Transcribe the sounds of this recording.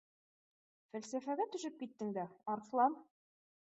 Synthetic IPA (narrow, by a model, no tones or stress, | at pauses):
fælsæfæɡæt̪ɵ̆ʃɘp̚kit̪ːɘŋd̪æɒɾflˠɑn